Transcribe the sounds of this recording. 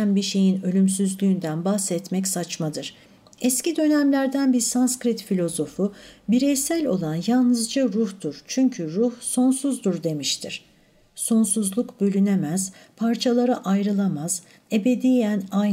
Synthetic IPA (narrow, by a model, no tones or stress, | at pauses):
ænbiʃe̞jinø̞lʲyms̬yzlʲyːnd̪ænbahsɛt̪mɛcsat͡ʃmad̪ɯɾ̥ | ɛscid̪ø̞næmlʲæɾd̪ænbiɾsanskɾit̪filʲo̞zo̞fubiɾesælʲo̞̰lˠanjalˠnɯzd͡ʒaɾuhd̪uɾ̥t͡ʃʰyɲcʰyɾuhso̞nsuzd̪uɾd̪e̞miʃt̪ʰiɾ̥ | so̞nsuzlˠukbø̞lʲyne̞mæz̥pʰaɾt͡ʃʰalˠaɾaʔajɾɯlˠamaz̥ | e̞be̞d̪ijæna